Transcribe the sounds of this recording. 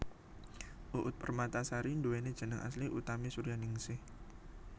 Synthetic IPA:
ʔuʔʊt̪̚pərmat̪asaɾiɳdowened̥ʒ̥ə̤nəŋʔa̰sliʔut̪amisuɾijanɪŋsɪh

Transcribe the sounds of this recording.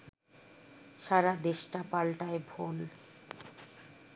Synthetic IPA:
ʃaɾad̪eʃʈapalʈaebʱol

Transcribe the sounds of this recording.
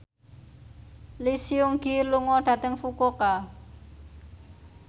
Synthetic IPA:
lisiuŋɡiluŋɔɖ̥ä̤t̪əŋfukoka

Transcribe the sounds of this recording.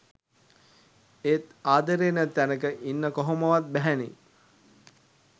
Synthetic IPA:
et̪aːd̪əɾeːnət̪ːænəkəʔinːəkoɦoməʋat̪̚bæɦænḭ

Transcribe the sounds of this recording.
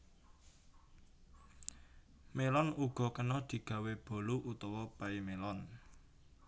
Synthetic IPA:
melɔnuɡ̥ɔ̤kənɔd̪̥i̤ɡ̥ä̤web̥o̤luʔut̪ɔwɔpaimelɔn

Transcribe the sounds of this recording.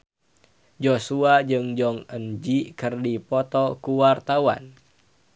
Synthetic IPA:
d͡ʒosuad͡ʒɨŋd͡ʒɔŋənd͡ʒikɨrdipɔt̪ɔkuwart̪awa̰n

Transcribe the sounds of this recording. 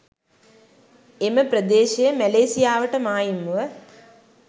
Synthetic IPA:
eməprəd̪eːʃejəmæleːsijaːʋəʈəmaːjimuʋə

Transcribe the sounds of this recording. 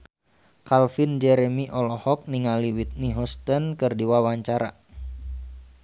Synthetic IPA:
kalfind͡ʒɛɾɛmiʔɔlɔhɔk̚niŋaliwit̪̚niɦɔst̪ənkɨrdiwawaɲt͡ʃaɾa̰

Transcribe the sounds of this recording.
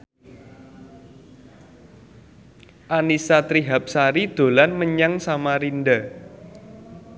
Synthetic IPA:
ʔanisat̪ɾiɦap̚saɾid̪̥o̤lanməɲaŋsamaɾind̪a

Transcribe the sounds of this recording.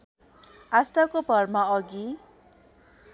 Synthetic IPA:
asʈakopʌrmaʌɡi

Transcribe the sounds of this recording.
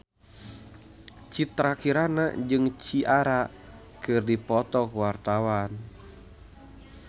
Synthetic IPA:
t͡ʃit̪ɾakiɾana̰d͡ʒɨŋt͡ʃiʔaɾa | kɨrdipɔt̪ɔkwart̪awan

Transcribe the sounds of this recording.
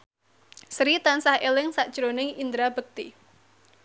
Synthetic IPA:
sɾit̪ansahʔelɪŋsaʔd̥ʒ̥ɾonɪŋind̪ɾab̥ək̚t̪i

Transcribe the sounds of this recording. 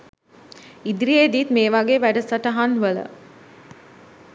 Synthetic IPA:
id̪iɾied̪iːt̪meːʋaɡeːʋæɖəsɐʈɐɦanʋələ̰

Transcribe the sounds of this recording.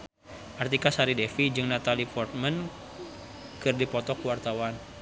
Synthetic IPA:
ʔart̪ikasaɾidefid͡ʒɨŋnat̪alipɔrt̪̚mən | kɨrdipɔt̪ɔkwart̪awan

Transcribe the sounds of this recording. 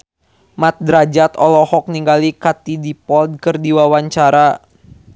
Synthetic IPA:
mat̪̚dɾad͡ʒat̪ɔlɔhɔk̚niŋɡalikat̪idipɔld̪̚kərdiwawaɲt͡ʃaɾa

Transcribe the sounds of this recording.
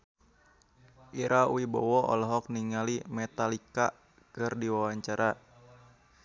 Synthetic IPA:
ʔiɾʔauibɔ̰wɔɔ̰lɔɦɔk̚niŋalimɛt̪alika | kɨrdiwawaɲt͡ʃaɾa

